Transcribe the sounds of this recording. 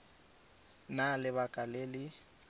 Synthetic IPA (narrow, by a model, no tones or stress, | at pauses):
nalɪβakʼalelɪ